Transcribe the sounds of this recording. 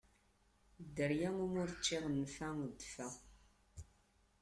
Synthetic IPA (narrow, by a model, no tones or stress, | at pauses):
d̪əɾjæŋumʊɾt͡ʃːiʁənfæŋd̪fæ